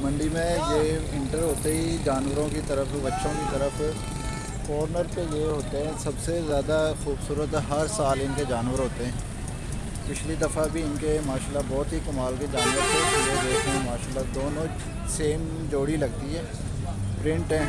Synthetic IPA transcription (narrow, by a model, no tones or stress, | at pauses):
mə̃ɳɖimẽjeɪ̃ɳʈəɾɦoːt̪eɦid͡ʒaːnʋəɾõkit̪əɾəfʰbətːʃõkit̪əɾəf | fɔːɾnəɾkejeɦoːt̪eɦɛ̃sɐbsezjaːd̪axuːbsuːɾət̪ɦɐɾsaːlɪnked͡ʒaːnʋəɾɦoːt̪eɦɛ̃ː | pɪʃlid̪əfʰabʱiɪnkemaːʃaːlːabɔːt̪ɦikɐmaːlked͡ʒaːnʋəɾt̪ʰeɪed͡ʒeːsɛ̃maːʃaːlːad̪oːnõː | seːm | d͡ʒoːɽilɐɡ̚t̪iɦɛː | pɾɪ̃ɳʈɛ̃ː